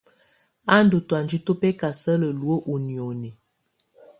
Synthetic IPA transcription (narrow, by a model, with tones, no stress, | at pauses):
a˦n˦du˨twa˨nd͡ʒi˦to˦pɛ˦ka˨sə˦lə˨lu˨˦o˦ʔu˨ni˨o˨nɛ˨